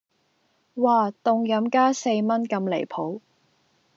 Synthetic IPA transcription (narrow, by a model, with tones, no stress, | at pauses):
waː˨˧t̪ʊ˨ŋjɐ˨˥mkaː˥se˧jmɐ˥nkɐ˧mlḛ˨˩jpʰo˨˥w